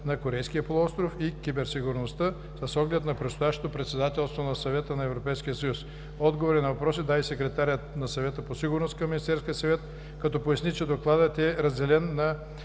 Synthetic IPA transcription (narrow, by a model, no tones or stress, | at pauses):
nɐkoɾɛjskijəpolˠuɔst̪ɾofikʲibɛɾsiɡʊɾnost̪ə | səsɔɡlɛt̪nɐpɾɛt̪st̪ʊjaʃt̪o̥t̪opɾɛt̪sɛd̪at̪ɛlˠst̪vonɐsɐvɛt̪ənɐɛvɾopɛjskijəsɐjus | ɔd̪ɡovoɾinɐvɐpɾɔs̬id̪aisɛkɾɛt̪aɾʲət̪nɐsɐvɛt̪əposiɡʊɾnost̪kɐmːinist̪ɛɾskiəsɐvɛt̪ | kɐt̪ɔpojɐsnit͡ʃɛd̪oklˠad̪ət̪ɛɾɐzd̪ɛlɛnːɐ